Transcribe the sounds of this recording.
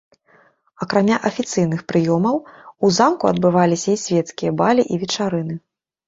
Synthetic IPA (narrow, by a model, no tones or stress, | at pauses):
ɐkɾamʲaʔɐfʲit̪sɨjn̪ɨxpɾɨjɔmɐwuzamkuɐ̰d̪̚bɨvalʲisʲɐisʲvʲɛt̪skʲijɐbalʲiʔivʲɛt͡ʂaɾɨn̪ɨ